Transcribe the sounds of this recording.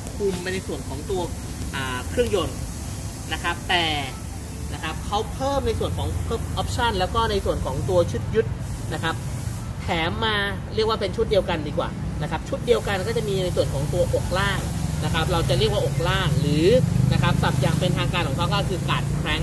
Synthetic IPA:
kʰu˧mːaː˧na˧jsu˨˩ənkʰɔː˩˦ŋt̪u˧ɐ | ʔaː˨˩kʰɾɯ˥˩əŋjo˧n | na˦˥kʰɾa˦˥p̚t̪ɛː˨˩ | na˦˥kʰɾa˦˥p̚kʰa˦˥wpʰɤː˥˩mna˧jsu˨˩ənkʰɔː˩˦ŋpʰɤː˦˥˩p̚ʔɔː˦˥p̚t͡ɕʰa˥˩nlɛː˦˥wkɔː˥˩na˧jsu˨˩ənkʰɔː˩˦ŋt̪u˧ɐt͡ɕʰu˦˥t̪̚ju˦˥t̪̚ | na˦˥kʰa˦˥p̚ | t̪ʰɛː˩˦mːaː˧ | ɾi˥˩ək̚waː˥˩pe˧nt͡ɕʰu˦˥t̪̚di˧əwka˧ndiː˧kwa̰ː˨˩na˦˥kʰa˦˥p̚t͡ɕʰu˦˥t̪̚di˧əwka˧nkɔː˥˩t͡ɕa˨˩ʔmiː˧na˧jsu˨˩ənkʰɔː˩˦ŋt̪u˧ɐʔo˨˩k̚laː˥˩ŋna˦˥kʰa˦˥p̚ɾa˧wt͡ɕa˨˩ɾi˥˩ək̚waː˥˩ʔo˨˩k̚laː˥˩ŋɾɯː˩˦na˦˥kʰa˦˥p̚t̪a˨˩p̚jaː˨˩ŋpe˧nt̪ʰaː˧ŋkaː˧nkʰɔː˩˦kʰa˦˥wkɔː˥˩kʰɯː˧kaː˨˩t̪̚kʰɾɛː˦˥ŋ

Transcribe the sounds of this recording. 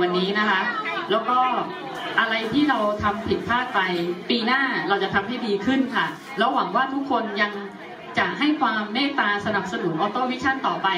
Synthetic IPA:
wa˧nːiː˦˥na˦˥kʰa˦˥ʔlɛː˦˥wkɔː˥˩ | ʔa˧ɾa˧jt̪ʰiː˥˩ɾa˧wt̪ʰa˧mpʰi˨˩t̪̚pʰaː˥˩t̪̚pa˧jpiː˧naː˥˩ɾa˧wt͡ɕa˨˩t̪ʰa˧mɦa˥˩jdiː˧kʰɯ˥˩nkʰa˥˩ | lɛː˦˥wa˩˦ŋwaː˥˩t̪ʰu˦˥kʰːo˧nja˧ŋ | t͡ɕa˨˩ʔɦa˥˩jkʰwaː˧mːɛː˥˩t̪aː˧sa˧na˨˩p̚sa˧nu˨˩˦nʔɔː˧˥t̪oː˥˩wi˦˥t͡ɕʰa˥˩nt̪ɔː˨˩pa˧j

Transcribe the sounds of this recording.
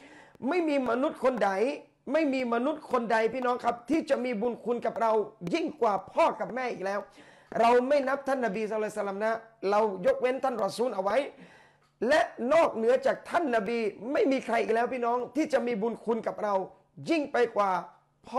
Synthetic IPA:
ma˥˩jmiː˧ma˧nu˦˥t̪̚kʰo˧nda˨˩j | ma˥˩jmiː˧ma˧nu˦˥t̪̚kʰo˧nda˧jpiː˥˩nɔː˦˥ŋkʰa˦˥p̚t̪ʰiː˥˩t͡ɕa˨˩ʔmiː˧buː˧nkʰu˧nka˨˩p̚ɾa˧wji˥˩ŋkwaː˨˩pʰɔː˥˩ka˨˩p̚mɛː˥˩ʔiː˨˩lɛː˦˥w | ɾa˧wma˥˩jna˦˥p̚t̪ʰa˥˩nːa˧biː˧saː˧˦˥sa˧la˧mna˦˥ɾa˧wjo˦˥k̚we˦˥nt̪ʰa˥˩nɾɔː˧˩suː˨˦˥nʔa˧wːa˦˥j | lɛ˦˥ʔnɔː˥˩k̚nɯ˩˦ɐt͡ɕaː˨˩k̚t̪ʰa˥˩nːa˧biː˧ma˥˩jmiː˧kʰɾa˧jʔiː˨˩klɛː˦˥wpiː˥˩nɔː˦˥ŋt̪ʰiː˥˩t͡ɕa˨˩ʔmiː˧buː˧nkʰu˧nka˨˩p̚ɾa˧w | ji˥˩ŋpa˧jkwaː˨˩ | pʰɔː˥˩

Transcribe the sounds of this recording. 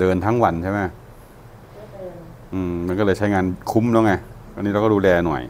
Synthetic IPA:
dɤː˧nt̪ʰa˦˥ŋwa˧nt͡ɕʰa˥˩jma˦˥˩ | ʔɯː˧˩ma˧nkɔ˥˩lɤː˧jt͡ɕʰa˦˥jŋaː˧nkʰu˦˥mlɛ˦˥ŋa˧˥˩ | niː˦˥ɾwkːduː˧lɛː˧nɔ̰˨˩j

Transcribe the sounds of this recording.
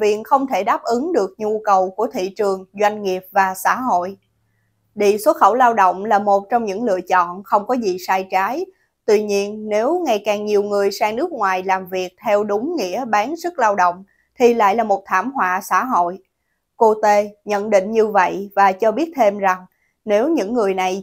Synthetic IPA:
vḭ˧˨ənxə˧wŋ͡mt̪ʰe˧˩ɗaː˦˥p̚ʔɨ˨˦ŋɗɨ˨˩ək̚ɲu˧kə˨˩wku˧˩ət̪ʰḭ˧˨t͡ɕɨ˨˩əŋzwa˧jŋ̟ŋi˨˩əp̚vaː˨˩sa̰ː˧˥ɦo̰˧˨j | ɗḭ˧˨so˨˦˥xə˧˩wlaː˧wɗo̰˧˨wŋ͡mlaː˨˩mo˨˩t̚t͡ɕɔ˧wŋ͡mɲɨ̰˧˥ŋlɨ̰˧˨ət͡ɕɔ̰˧˨nxə˧wŋ͡mkɔ˨˦zi˨saː˧jt͡ɕaː˨˦j | t̪wi˧ɲi˧ənne˨˦wŋa˧˩jkaː˨˩ŋɲi˨˩əwŋɨ˨˩əjsaː˧ŋnɨ˦˥ək̚ŋwaː˨˩jlaː˨˩mvi˨˩ək̚t̪ʰɛ˧wɗʊ˨˦ŋ͡mŋḭ˧˥əɓaː˨˦nzɨ˦˥k̚laː˧wɗo̰˧˨wŋ͡m | t̪ʰi˨˩la̰ː˧˨jlaː˨˩mo˨˩t̚t̪ʰaː˧˩mɦwa̰ː˧˨sa̰ː˧˥ɦo̰˧˨j | ko˧t̪e˧ɲə̰˧˨nɗḭ̈˧˨ŋ̟ɲɨ˧və̰˧˨jvaː˨˩t͡ɕɔ˧ɓi˦˥ət̚t̪ʰe˧mza˨˩ŋ | ne˨˦wɲɨ̰˧˥ŋːɨ˨˩əjna˨˩j

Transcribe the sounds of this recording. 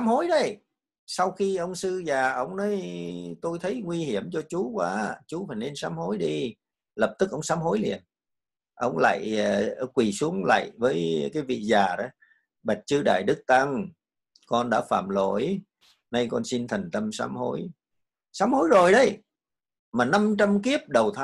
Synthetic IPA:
saː˨˦mho˨˦jɗə˧j | sa˧wxi˧ʔə˧wŋ͡msɨ˧zaː˨˩ʔə˧˩wŋ͡mnə˨˦jt̪o˧jt̪ʰə˨˦jŋwi˧hi˧˩əmt͡ɕɔ˧t͡ɕu˨˦kwaː˨˦t͡ɕu˨˦fa˨˩ne˧nsaː˨˦mho˨˦jɗi˧ | lə˨˩p̚t̪ɨ˦˥k̚ʔə˧wŋ͡msaː˨˦˥mɦo˨˦jlḭ˨˩ən | ʔə̰˧˩wŋ͡mla̰ː˧˨jkwi˨˩su˨˦əŋla̰ː˧˨jvəː˨˦jkaː˨˦jvḭ˧˨zaː˨˩ɗa˨˦ | ɓa˨˩t̚t͡ɕɨ˧ɗa̰ː˧˨jɗɨ˦˥k̚t̪a˧ŋ | kɔ˧nɗa̰ː˧˥fa̰ː˧˨mlo̰˧˩j | na˧jkɔ˧nsi˧nt̪ʰə˨˩ŋ̟t̪ə˧msa̰ː˨˦mho̰˨˦j | saː˨˦˥mho˨˦jzo˨˩jɗə˧j | maː˨˩na˧mt͡ɕa˧mki˦˥əp̚ɗə˨˩wt̪ʰa˨˦

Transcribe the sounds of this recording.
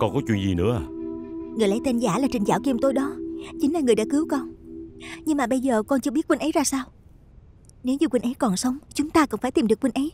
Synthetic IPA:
kɔ˧nkɔ˨˦t͡ɕwḭ˧˨nzḭ˨˩nɨ̰˧˥əaː˨˩ŋɨ˨˩əjla˨˧˦t̪ə˧nzaː˧˩laː˨˩t͡ɕï˨˩ŋzaː˧˩wki˨˩mt̪o˧jɗɔ˨˦t͡ɕï˨˦ŋ̟laː˨˩ŋɨ˨˩əjɗa̰ː˧˥kɨ˨˦wkɔ˧n | ɲɨ˧ŋmaː˨˩ɓə˧jzəː˨˩kɔ˧nt͡ɕɨ˧əɓi˦˥t̚kwi˧nʔə˨˦zaː˧saː˧w | ne˨˦wɲu˨˩kwï˧˩nʔə˨˦jkɔ˨˩nsə˨˦wŋ͡mt͡ɕʊ˨˦ŋ͡mt̪aː˧kɔ̰˧˩nfa˧˩t̪i˨˩mɗɨ˨˩əkːwi˧n̟ʔə˨˦j

